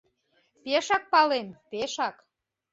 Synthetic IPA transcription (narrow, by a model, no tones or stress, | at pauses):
peʃɑk̚pɑlempeʃɑk